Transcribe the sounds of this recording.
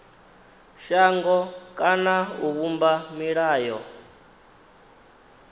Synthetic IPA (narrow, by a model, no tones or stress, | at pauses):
ʃaŋɡɔkʼanauβumbamiɺaːjɔ